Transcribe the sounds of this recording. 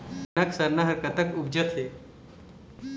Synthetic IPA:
nɐksɐɾnɐɦɐɾkɐt̪ɐkʊb̚d͡ʒɐt̪ɦeː

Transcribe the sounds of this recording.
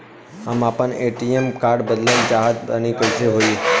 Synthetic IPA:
ɦəmaːpəneːʈiemkaːɾɖbəd̪ləkd͡ʒaːɦəd̪̚bənikəɪseɦoːi

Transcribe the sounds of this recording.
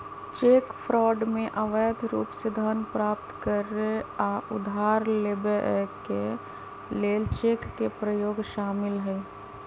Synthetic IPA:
t͡ʃeːkpʰɾɔːɖmẽʔəʋəjəd̪ʱɾuːpsed̪ʱənpɾaːpt̪kəɾeaʔʊd̪ʱaːɾleːbeʔke | leːlt͡ʃeːkːepɾəjoːɡʃaːmɪlɦɛː

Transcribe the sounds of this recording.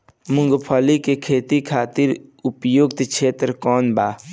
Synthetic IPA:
mʊŋɡpʰɔːlikekʰeːt̪ikʰaːt̪iɾʊpjoɡt̪kt͡ʃʰeːt̪ɾkɔːnbaː

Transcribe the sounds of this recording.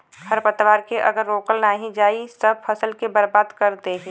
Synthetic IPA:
həɾpət̪ʋaːɾkeʔɐɡəɾːoːkəlnaːɦĩd͡ʒaːisəb̚pʰɐsəlkebɐɾbaːd̪kɐɾt̪eɦɛ̃ː

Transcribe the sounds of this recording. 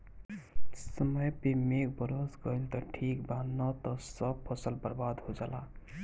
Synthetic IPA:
səməjpemek̚bəɾosɡəjlt̪ɔʈʰikbanɔt̪ɔsʌb̚pʰəsəlbəɾbad̪ɦod͡ʒala

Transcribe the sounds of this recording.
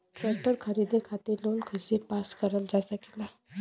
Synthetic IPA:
kɛʈəɾkʰəɾid̪ekʰat̪iːɾlonkʰəsepaskəɾəld͡zasake̥la

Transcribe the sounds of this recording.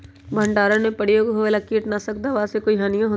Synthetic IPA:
bʱə̃ɳɖaːɾənẽpəɽ̤ijoːɡɦoʋelakiːʈnasɐkd̪aʋaːsekoiɦaːnijãɦo

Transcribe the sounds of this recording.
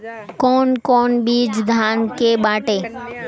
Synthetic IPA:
koːnkoːnɓiːd͡ʒd̪ʱaːnkeːɓaːʈeː

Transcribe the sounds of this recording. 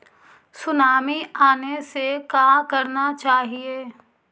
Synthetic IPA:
sʊnaːmiaːnesekaːkɐɾnat͡ʃaːɦieː

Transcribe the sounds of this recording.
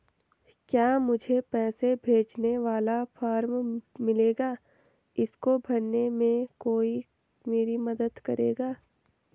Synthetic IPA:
kjaːmʊd͡ʒʱepɛːsebʱeːt͡ʃneʋaːlapʰaːɾmmɪleːɡaː | ɪskobʱɐɾnemẽkoːi | meːɾimɐd̪əd̪kɐɾḛːɡaː

